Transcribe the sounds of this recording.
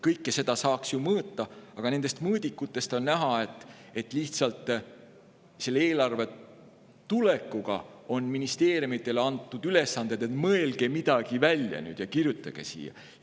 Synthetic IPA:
kɤjkːese̞d̪ɑsɑːksjumɤːt̪ːɑɑɡ̥ɑne̞nd̪e̞st̪mɤːd̪̥ʲikːˑut̪ːˑe̞st̪o̞nnæɦɑe̞t̪ːet̪ːˑliht̪sɑlt̪ˑ | se̞lːeeːlɑrve̞ | t̪ule̞kːuɡ̥ɑ̰o̞nminist̪e̞ːɾjumit̪ˑːe̞lɑnt̪ːˑud̪̥yle̞sːɑnd̪̥e̞d̪e̞t̪ˑmɤe̞lɡ̥e̞mid̪̥ɑɡ̥ivælʲjɑ̰ny̰ːd̪̥jɑkirjut̪ˑːɑɡ̥e̞̰sḭːjɑ̰

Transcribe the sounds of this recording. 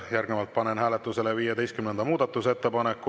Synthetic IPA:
jærɡnevɑlt̪̚pɑnenhæːlet̪ːˑuse̞levijed̪e̞jst̪kymnend̪ɑmuːd̪ɑt̪ːˑuse̞t̪ːe̞pɑnekːˑu

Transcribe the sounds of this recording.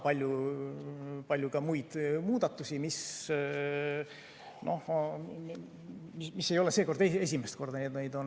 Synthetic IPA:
pɑlʲju | pɑlʲjukɑmujd̪̥muːd̪̥ɑt̪ˑːusimis | nʔo̞̰h | mimisːe̞jo̞le̞se̞ːko̞rd̪̥ee̞s̬ʲimest̪̚ko̞rd̪̥ɑneːt̪nejd̪o̞n

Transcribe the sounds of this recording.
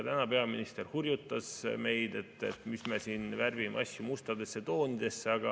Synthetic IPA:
t̪ænɑpe̞ɑminist̪e̞rhurjut̪ːɑsme̞jd̪e̞t̪ːˑḛt̪misme̞siːnværvimḛɑsʲːjumust̪ɑd̪e̞sːe̞t̪o̞ːnid̪̥e̞sːeɑɡ̥ɑ

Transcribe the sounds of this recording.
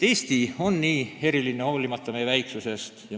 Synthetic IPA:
t̪e̞ːst̪io̞nːiːe̞ɾilinːeo̞ːlimɑt̪ːɑme̞jevæjksuse̞st̪jɑ

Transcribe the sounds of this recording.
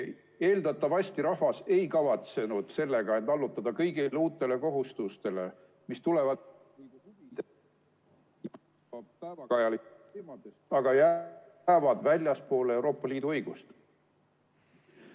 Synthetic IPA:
e̞ːld̪̥ɑt̪ːˑɑvɑsʲt̪iɾɑɦvɑse̞jkɑvɑt̪se̞nud̪̥se̞lːe̞ɡ̥ɑent̪ɑlːut̪ːˑɑd̪̥ɑkɤjɡ̥ileuːt̪ːˑe̞le̞ko̞ɦust̪ust̪e̞le̞̰ | mist̪ule̞vɑ | liːd̪uhuvid̪̥e | pævɑkɑjɑlik | emod̪est̪ɑɡ̥ɑjæː | vɑd̪̥vælʲjɑspo̞ːlee̞wɾo̞ːpˑːɑlʲiːd̪uɤjɡ̥ust̪

